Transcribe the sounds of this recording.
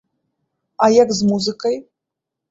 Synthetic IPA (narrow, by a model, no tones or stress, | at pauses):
ajakzmuzɨkʼɐj